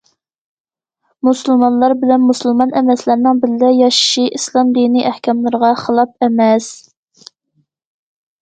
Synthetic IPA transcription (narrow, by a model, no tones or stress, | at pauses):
musɨlˠmɑnlˠɑɾbɪlɛnmusɨlˠmɑnɛmɛslæɾnɪŋbɪɾlɪjɑʃʃiʔislˠɑmd̪iniʔæhkʲɑmlˠɨɾʁɑχəlˠɑp̚ɛmɛs